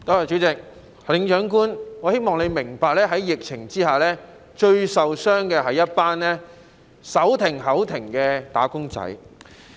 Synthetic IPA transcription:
k̪ɔː˥waː˨˩t͡ʃy˨˥t͡sɪ˨k̚ | lɪ˨˥ŋt͡ʃœː˨˥ŋkuː˥nŋɔː˨˧he˥jmɔː˨ŋle˨˧jmɪ˨˩ŋpaː˨˧k̚lɛː˥ɦɐ˨˥jjɪ˨k̚t͡sʰɪ˨˩ŋt͡siː˥haː˨˩lɛː˥ | t͡ʃɵ˧ɥsɐ˨wsœː˥ŋkɛː˧ɦɐ˨jɐ˥t̚paː˥nlɛː˥ | sɐ˨˥wt̪ʰɪ˨˩ŋɦɐ˨˥wt̪ʰɪ˨˩ŋkɛː˧t̪a̰ː˨˥kʊ˥ŋt͡sɐ̰˨˥j

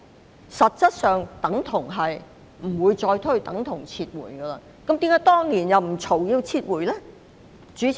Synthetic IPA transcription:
sɐ˨t̚t͡sɐ˥t̚sœː˨ŋt̪ɐ˨˥ŋt̪ʰʊ˨˩ŋɦɐ˨j | m̩˨˩wuː˨˧jt͡sɔː˧jt̪ʰɵ˥ɥt̪ɐ˨˥ŋt̪ʰʊ˨˩ŋt͡sʰiː˧t̚wṵː˨˩jɡəː˧lɐː˧ | kɐ˨˥mt̪iː˨˥kaː˨˥t̪ɔː˥ŋniː˨˩njɐ˨wm̩˨˩t͡sʰo˨˩wjiː˧wt͡sʰiː˧t̚wuː˨˩jlɛ˥ | t͡ʃyː˨˥

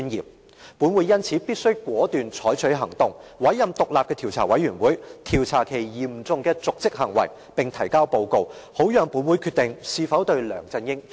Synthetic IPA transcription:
y˥njḭː˨p̚ | puː˨˥nwuː˨˥jɐ˥nt͡sʰi˨˥piː˥t̚sɵ˥ɥkwɔː˨˥t̪yː˨nt͡ʃʰɔː˨˥jt͡ʃʰɵ˨˥ɥɦɐ˨˩ŋt̪ʊ˨ŋwɐ˨˥jːɐ˨mt̪ʊ˨k̚laː˨p̚kɛː˧t̪ʰi˨˩wt͡sʰaː˨˩wɐ˨˥jɥyː˨˩nwuː˨˥jt̪ʰiː˨˩wt͡sʰaː˨˩kʰe˨˩jjiː˨m̩˨˩t͡sʊ˨˧ŋkɛː˧t͡sʊ˨k̚t͡sɪ˥k̚hɐ˨˩ŋwɐ̰˨˩j | pɪ˨ŋt̪ʰɐ˨˩jkaː˥wpo˧wko˧who˨˥wjœː˨ŋpuː˨˥nwuː˨˥jkʰy˧t̪ɪ˨ŋsiː˧fɐ˨˥wt̪ɵ˧ɥlœ̰ː˨˩ŋt͡sɐ˧njɪ˥ŋ

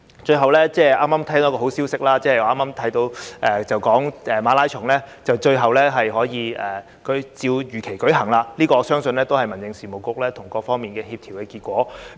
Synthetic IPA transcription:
t͡ʃɵ˧ɥɦɐ˨wlɛː˥t͡sɛː˥˩aː˥maː˥mtʰːŋt̪o˨˦˥kɔː˧ɦo˨˥wsiː˥wsɪ˥k̚laː˥t͡sɛː˥˨˩ɔ˨˧aː˥maː˥mt̪ʰɐ˨˥jt̪o˧wʔɛ˨t͡sɐ˨wkɔː˨˥ŋɛ˨maː˨˧˥laː˥jt͡ʃʰʊ˨˩ŋlɛː˥t͡sɐ˨wt͡ʃɵ˧ɥɦɐ˨wlɛː˥ɦɐ˨jɦɔː˨˥jiː˨˧ɛː˨ | kɵ˨˥ɥt͡siː˧wjyː˨˩kʰe˨˩jkɵ˨˥ɦɐ˨˩ŋlaː˧liː˥kɔː˧sœː˥ŋsɵ˧nlɛː˥t̪o˥whɐ˨˩jmɐ˨˩njɪ˨˧ŋsiː˨˩mo˨˩wkʊ˧k̚lɛː˥t̪ʰʊ˨˩ŋkɔː˧k̚fɔː˥ŋmiː˨˩nkɛː˧ɦiː˧p̚t̪ʰi˨˩wkɛː˧kiː˧kʷwɔː˨˥

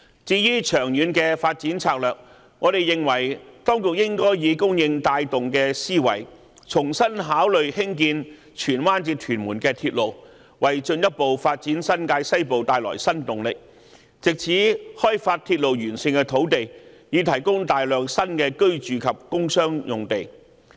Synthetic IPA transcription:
t͡siː˧jyː˥t͡ʃʰœː˨˩ŋjyː˨˧nkɛː˧faː˧t̚t͡siː˨˥nt͡sʰaː˧˥k̚lœː˨k̚ | ŋɔː˨˧ɾe˨jɪ˨˩ŋwɐ˨˩jt̪ɔː˥ŋkʊ˨k̚jɪ˥ŋkɔː˥jːiː˨˧kʊ˥ŋjɪ˧ŋt̪aː˧jt̪ʊ˨ŋkɛː˧siː˥wɐ̰˨˩j | t͡sʰʊ˨˩ŋsɐ˥nɦaː˨˥wlɵ˨ɥhɪ˥ŋk̬iː˧n | t͡ʃʰyː˨˩nwaː˥nt͡siː˧t̪ʰyː˨˩nmuː˨˩nkɛː˧t̪ʰiː˧t̚lo˨w | wɐ˨jt͡ʃɵ˧njɐ˥t̚po˨wfaː˧t̚t͡siː˨˥nsɐ˥nkaː˧jsɐ˥jpo˨wt̪aː˨jlɔ̰ː˨˩jsɐ˥nt̪ʊ˨ŋlɪ˨k̚ | t͡sɪ˨k̚t͡sʰiː˨˥hɔː˥jfaː˧t̚t̪ʰiː˧t̚lo˨wjyː˨˩nsɪ˧ŋkɛː˧t̪ʰo˨˥wt̪e˨j | jiː˨˧t̪ʰɐ˨˩jkʊ˥ŋt̪aː˨jlœː˨k̚sɐ˥nkɛː˧kɵ˥ɥt͡ʃyː˨kʰɐ˨p̚kʊ˥ŋsœː˥ŋjʊ˨ŋt̪e˨j

